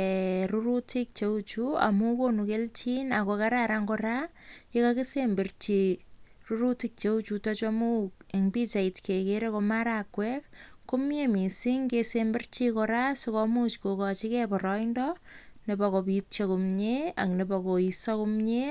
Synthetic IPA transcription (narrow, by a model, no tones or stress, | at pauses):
ɾuɾutik̚t͡ʃeut͡ʃua̰mukonukelt͡ʃinakokaɾaɾaŋɡoɾajekakesembert͡ʃi | ruɾutik̚t͡ʃeut͡ʃutɔt͡ʃamueŋbit͡ʃaitkekeɾekomaɾakːwɛk̚komjemisiŋkesembert͡ʃikɔɾasokɔmut͡ʃkokɔt͡ʃikɛpɔɾɔindɔ | nebakopitt͡ʃekumɲea̰knebakoisakumɲe